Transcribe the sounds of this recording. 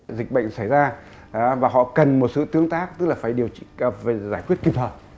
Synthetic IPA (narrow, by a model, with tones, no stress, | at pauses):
zï˨˩k̟̚ɓə̰˧˨ŋ̟sa˧˩jzaː˧˨ | vaː˨˩ɦɔ̰˧˨kə˨˩nmo˨˩t̚sɨ̰˧˨t̪ɨ˨˦əŋt̪aː˦˥k̚t̪ɨ˦˥k̚laː˨˩faː˧˩jɗi˨˩ə˩wfzaː˧˩jkwi˦˥ət̚ki˨˩p̚tʰəː˨˩